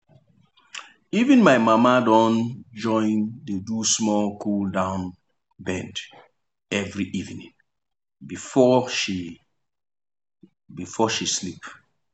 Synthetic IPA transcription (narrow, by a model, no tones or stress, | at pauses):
ivĩnmaɪmamadɔ̃nd͡ʒɔ̃ɪ̃ndedusmɔlkʰuldãʊ̃n | bɛ̃nd | ɛvɹiʔivnḭ̃ŋ | bifɔʃi | bifɔʃislip